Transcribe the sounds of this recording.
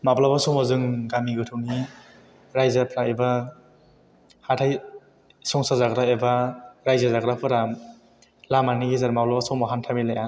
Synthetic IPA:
mablabasɔmazɯŋɡamiɡɯtʰɯwni | ɾajzapʰɾaeba | hatʰaj | sɔŋsazaɡɾaebaɾajzazaɡɾapʰɯɾa | lamaniɡizaɾmablabasɔwmaɦantʰamilaja

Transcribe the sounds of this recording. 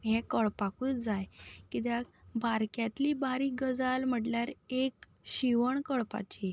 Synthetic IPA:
ɦɛ̃kəɭpakut̪d͡zajkit̪̬jabʱaɾkjat̪liːbaɾiːɡəd͡zalm̤əʈljaɾek | ɕiʋəɳkəɭpa̰t͡ɕi

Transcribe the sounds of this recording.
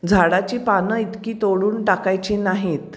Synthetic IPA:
d͡zʱaɽat͡ɕiːpanəit̪kiːt̪oɽuːnʈakajt͡ɕiːnaɦiːt̪

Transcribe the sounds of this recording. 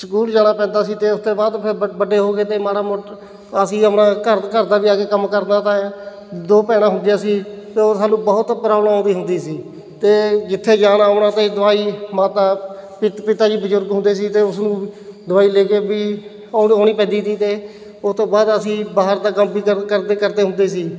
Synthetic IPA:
səkuːld͡ʒaːɽ̃aːpɛ̃ːnd̪aːsiːt̪eːʊst̪oːbaːd̪pʰɪɾbəɖeːɦoːɡeːt̪eːmaːɽaːmʊʈ | əsĩːəpɽãːkəɾkəɾd̪aːʋiːaːɡeːkəmkəɾd̪aːt̪ãːɛ | d̪oːpɛːɽ̃ãːɦʊnd̪jaːsiːt̪eːoːsaːnũːbəɦʊt̪pɾaːbləmãːnd̪iːɦʊnd̪iːsiː | t̪eːd͡ʒɪt̪ʰːeːd͡ʒaːnaːoɳãːt̪eːd̪ʊaːiːmaːt̪aːpɪpɪt̪aːd͡ʒiːbəd͡ʒʊɾɡɦʊ̃nd̪eːsiːt̪eːʊsnũːd̪ʊaːiːleːkeːbiː | oːɳ̃iːpɛ̃ːd̪iːt̪iːt̪eː | ʊst̪õːbaːd̪əsĩːbaːɦəɾd̪aːkəmbiːəkəɾd̪ekəɾd̪eːɦʊnd̪eːsiː

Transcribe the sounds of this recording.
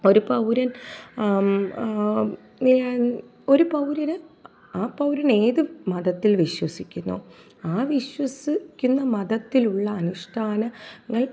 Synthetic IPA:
o̞ɾupɐwɾɐn | o̞ɾupɐwɾɐnɨ | aːpɐwɾɐne̞ːðɨmɐðɐt̪ːilʋiɕwɐsikʲːunːṵ | aːʋiɕwɐsikʲːunːɐmɐðɐt̪ːiluɭːɐːnuʂʈʰaːnɐŋːɐɭ

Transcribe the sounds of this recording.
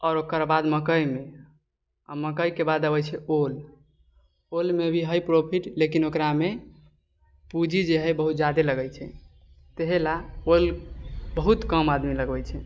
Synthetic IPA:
ɔːɾokəɾbad̪məkəjme | aməkəjkebad̪əbət͡ʃʰɛol | olmebʱiɦəjpɾopʰiʈlekinokɾame | pud͡ʒʱid͡ʒeɦɛjbəɦut̪̚d͡ʒad̪eləɡəjt͡ʃʰɛ̰ | t̪eɦelaolbəɦut̪kəmad̪miləɡbɛjt͡ʃʰɛ

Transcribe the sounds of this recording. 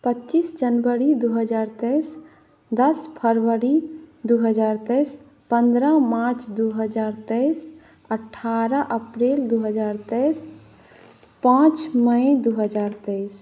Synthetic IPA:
pətːt͡ʃisd͡ʒənbəɾid̪uɦəd͡ʒaːɾt̪əs | d̪əspʰəɾʋəɾid̪uɦəd͡ʒaːɾt̪əs | pə̃nd̪ɾamaɾt͡ʃd̪uɦəd͡ʒaːɾt̪əɪs | əʈʰːaɾəʔəpɾeld̪uɦəd͡ʒaːɾt̪əɪs | pãt͡ʃməed̪uɦəd͡ʒaːɾt̪əs

